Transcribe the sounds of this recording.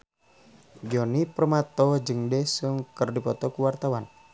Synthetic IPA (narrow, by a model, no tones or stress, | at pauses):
ɡiɔniprəmat̪ɔhd͡ʒɨŋdɛsuŋkərdipɔt̪ɔkuwart̪awan